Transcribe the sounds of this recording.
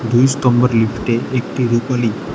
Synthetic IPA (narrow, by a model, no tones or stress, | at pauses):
d̪ujst̪ɔmbəɾlifʈeʔek̚ʈiɾupali